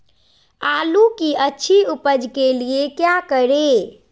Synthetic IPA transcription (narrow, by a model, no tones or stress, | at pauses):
alukiətːt͡ʃʰiupəd͡ʒkeliekjakəɾe